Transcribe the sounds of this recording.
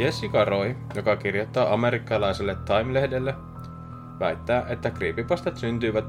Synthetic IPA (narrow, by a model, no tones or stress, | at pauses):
esikɑɾo̞jjo̞kɑk̟irjo̞t̪ːɑːʔɑme̞ɾikːɑlɑjselːet̪ːɑjmle̞hde̞lːe | ʋæjt̪ːæːʔe̞t̪ːækriːpipɑst̪ɑt̪synt̪yːʋæt̪